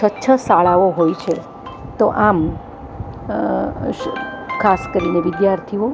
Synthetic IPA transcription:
ətːʃʰəsaɭaʋoɦojt͡ʃʰe | t̪oʔam | kʰaskəɾineʋɪd̪jaɾt̪ʰio

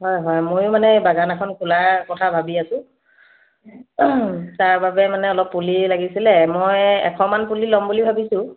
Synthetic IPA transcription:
ɦɔjɦɔjmojʊmanɛbaɡanakʰɔnkʰulakɔtʰabʱabiasʊ̃ | taɹbabɛmanɛɔlɔpːulilaɡisilɛmɔjɛ̰kʰɔmanpulilɔmbulibʱabisʊ̃

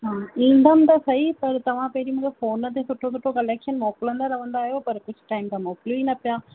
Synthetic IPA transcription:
ɦãːɪnd̪ɐmt̪aːsɐipɐɾt̪ɐʋãpeːɾimɐɡɐfoːnːɐt̪ːesʊʈːõːsʊʈːõkɐlekʂɐnmoːkːulɐnd̪aːɾɐʋɐnd̪aːjoːpɐɾkʊt͡ʃʈɐɪmt̪ɐmãkluːinɐpːjaː

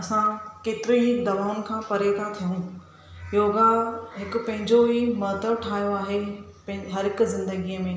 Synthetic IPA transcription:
ɐsãkeːt̪ɪɾiɦɪd̪ɐʋaːʊn̆kʰãːpɐɾet̪ʰãt̪ʰijũ | joːɡaɦɪkʊ̆pɐ̃ɦɪ̃ɲd͡ʑoɦimɐːt̪əʋʈʰaːijoaːɦe | ɦɐɾɦɪkʊzɪ̃nd̪əɡiːəmẽː

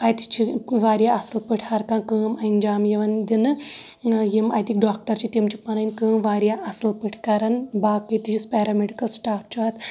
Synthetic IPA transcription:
ɐjt̪i̥t͡ʃʰiʋaːɾjaɐsɨlpɨʈʰhɐɾkãːkəːmɐind͡ʒaːmjɐʋɐnd̪inɨ | jimɐjt̪ik̚ɖaːk̚ʈɐɾt͡ʃʰit̪imt͡ʃʰipɐnɐnʲkɨːmʋaːɾjaʔɐsɨlpɨʈʰkɐɾɐnbaːkɨt̪ijispɛːɾɐmeɖikɐlsʈaːft͡ʃʰuɐt̪

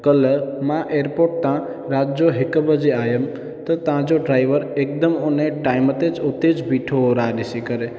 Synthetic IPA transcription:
kələmãʔeɾpoʈ̚t̪ã | ɾad͡ʒd͡ʒoɦɪkəbəd͡ʒiajəm | t̪ɔt̪ãd͡ʒoɖɾajʋəɾek̚d̪əmoneʈajmət̪ed͡ʒot̪ed͡ʒbʱiʈʰoɾaɗisikəɾe

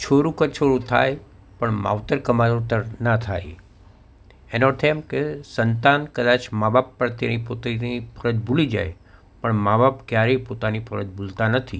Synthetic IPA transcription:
t͡ʃʰoɾũkət͡ʃʰoɾũt̪ʰa̰j | pəɳma̰ʋt̪əɾkəmaɾut̪əɾnat̪ʰa̰j | enoʈ̪ʰemkesənt̪ankəd̪at͡ʃmabapːəɾt̪enipot̪nipʰəɾəd͡ʒbulid͡ʒa̰j | pəɳmabapkjaɾepot̪anifʰəɾəd͡ʒbult̪anət̪ʰi

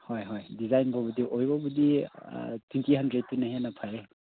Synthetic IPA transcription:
hojɦojdizajnbɔbudiʔojbɔbudi | twintiɦandɾed̚tːunaɦenapʰaje

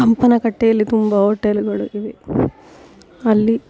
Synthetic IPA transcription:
ɐmpɐnɐkɐʈːejɐlːit̪umbɐɦoːʈːeluɡɐɭuʔiʋe | ɐlːi

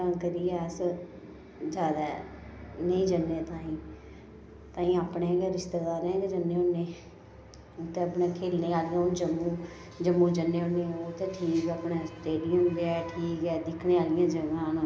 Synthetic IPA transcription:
akəɾiːɛs | d͡ʒaːd̪a | nəĩːd͡ʒənːeːt̪ãːĩː | t̪ãːĩːaːpnẽːɛɡɛɾɪʃt̪eːɡaːɾẽːɡed͡ʒənːẽːʊnːeː | ʊt̪ːeːəpnẽːkʰeːlneːaːlɪjãːʊnd͡ʒəmːũː | d͡ʒəmːũːd͡ʒənːeːʊnːeːoːt̪eːʈʰiːkaːpɳẽːsʈeːɖɪijəmbeɛːʈʰiːkɛːd̪ɪkʰneːaːlɪjãːd͡ʒəʋãːno

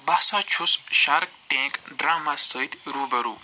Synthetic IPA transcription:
bɐːsãːt͡ʃʰusʃaɾk̚ʈẽːkɖɾaːmaːsəːit̪ɾuːbɐɾuː

